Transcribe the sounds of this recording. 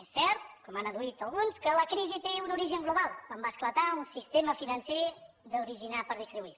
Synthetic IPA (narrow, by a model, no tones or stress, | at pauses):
esːɛɾt̪̚kɔmanəðuit̪əlˠɣunskələkɾizit̪eunuɾiʒəŋɡluβalˠkwambasklət̪aunsist̪eməfinənse | ðəuɾiʒinapəɾðist̪ɾiβui